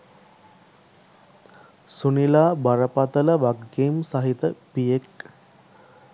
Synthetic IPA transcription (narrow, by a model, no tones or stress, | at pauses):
sunilaːbaɾəpat̪ələʋaɡːeːmsaɦit̪əpijek